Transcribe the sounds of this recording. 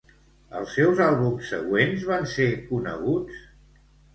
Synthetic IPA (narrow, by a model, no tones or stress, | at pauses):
ə̰lˠsːɛwzalˠβumsːəɣwenzβansekunə̰ɣut͡s